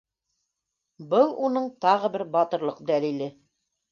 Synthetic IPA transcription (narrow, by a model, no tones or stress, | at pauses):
bɤlˠunɤɴt̪ɑʁɤ̆bɘɾbɑt̪ɤ̆ɾlˠɤqd̪ælilɘ